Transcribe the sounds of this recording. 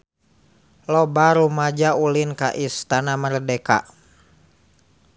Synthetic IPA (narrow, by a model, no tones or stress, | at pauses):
lɔbaɾumad͡ʒaulinka̰ʔist̪anamərdɛka̰